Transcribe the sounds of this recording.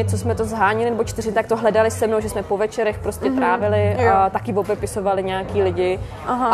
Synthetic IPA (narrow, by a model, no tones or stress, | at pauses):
ɪt͡sosmɛt̪ozɦaːɲɪlɪnɛbot͡ʃt̪ɪrɪmɪt̪ak̚t̪oɦlɛdalɪsɛmnowʒɛsmɛpo̞vɛt͡ʃɛɾɛxpɾoscɛt̪ɾaːvɪlɪʔt̪akɪvobɛpɪso̞valɪɲɛakiːlɪɟɪ | ʔaɦa